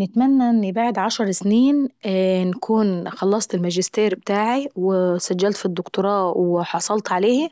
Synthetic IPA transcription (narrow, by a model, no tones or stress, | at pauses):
nɪt̪mænːæʔɪnːbaʕd̪ʕaʃɑɾˤsniːnnækʰuːnxɑlːɑsˤt̪ɪlmæʒɪst̪eːɾbɪt̪aːʕiwɪsæd͡ʒːælt̪fid̪ːʊkt̪ʊɾˤɑːwɪħɑsˤɑlt̪ʕaleːh